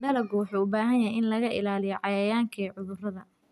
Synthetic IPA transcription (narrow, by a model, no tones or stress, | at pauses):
ɖɐlɐɡʊwħuːʊbaːɦɐnjɐɦɛjʔɪnlɐɣɐʔɪ̰laːlɪjɔʕɑjɐjaːŋkʰɛːʕʊðʊrɐðɐ